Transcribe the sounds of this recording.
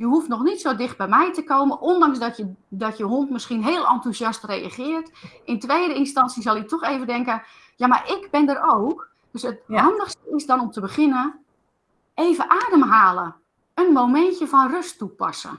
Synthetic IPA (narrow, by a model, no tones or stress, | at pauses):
jəɦuftnɔxnitsoːdɪxt̚bɛjmɛjtəkowməʔondɑŋsdɔədɔtjəɦontmɪskinɦeːlˠɑ̰ntuzjɑstreja̰χɪːrtɪntʋejdəɪnstɑnsjəzɔlˠjətʰɔxeːvəndɛŋkə | jamaʔɪɡbɪndəɾowk | d̥øsətɦɑndəxstəɪsdɔnɔmtəbəχɪnə | eːvəʔaːdəmɦaːlˠə | ənmowmɛntjəfɔnrøstːupɔ̰sə̰